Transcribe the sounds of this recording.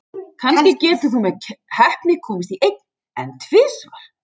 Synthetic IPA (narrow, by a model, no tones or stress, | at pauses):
kʰanscɪcɛːt̪ʏfɾɔmɛcʰhɛhpnɪkʰɔːmɪst̪iʔejk̚n | ɛ̰nt̪ʰv̥ɪːsvaɾ̥